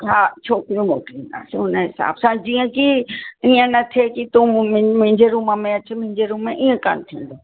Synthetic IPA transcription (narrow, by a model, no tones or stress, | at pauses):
ɦaːt͡ɕʰoːkɾijũmoːkind̪a̰ːseʊnəɦɪsa̰ːbsãd͡ʑiːə̃kiiə̃nɐt̪ʰekit̪ũmɦɪ̃ɲd͡ʑeɾuːməmẽɐt͡ɕmʊ̃ɦɪ̃ɲd͡ʑeɾũːmːẽʔiːə̃ka̰nt̪ʰĩːnd̪oː